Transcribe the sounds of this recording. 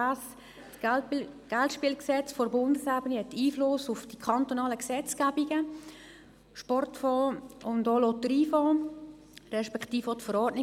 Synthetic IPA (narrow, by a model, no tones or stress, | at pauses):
as | t | ɡ̥altʃpiːlksɛt͡sfɔɾbʊndəsæbənihɛtːiːflʊsʊfd̥ikʰɑnt̪onɑːləksɛt͡sɡ̥æbiɡə | ʃpɔrtfɔːʊndolotɾiːfɔː | rɛʃpɛkχtiːfotfəɾɔːtnɪ